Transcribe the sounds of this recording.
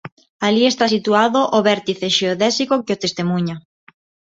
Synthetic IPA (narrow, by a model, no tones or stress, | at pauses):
aliest̪asit̪uaðoʔoβɛɾt̪iθeʃeoðɛsikokɪot̪est̪emuɲa